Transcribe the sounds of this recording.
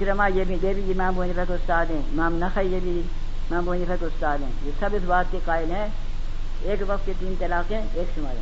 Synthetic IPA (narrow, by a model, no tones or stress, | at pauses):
kɾɐmãːjeːbĩd̪eːbid͡ʒimãːmbʱoːnipʰɐk̪ʊst̪aːd̪ɦẽːmãːmnɐxʰɐijeːbi | mãːmbʱoːnifʰɐk̪ʊst̪aːd̪ɦḛ̃ːjoːsɐbɪsbaːt̪̚kekaːɪlɦɛ̃ | eːkʋɐk̚t̪ket̪iːnt̪ɐlaːkẽ | eːkʃʊmɐɾeː